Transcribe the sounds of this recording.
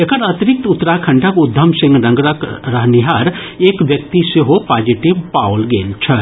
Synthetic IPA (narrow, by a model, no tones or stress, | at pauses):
ekɐɾat̪ɾɪk̚t̪ʊt̪ːəɾakʰɐ̃ɳʈʰakʊd̪ʱːɐmsɪ̃ŋɡnɐ̃ŋɡɾəkɾəɦniɦaːɾ | eːkʋjɐk̚t̪iseɦopaːd͡ʒiʈiʋpaːwlɡḛːlt͡ʃʰɐ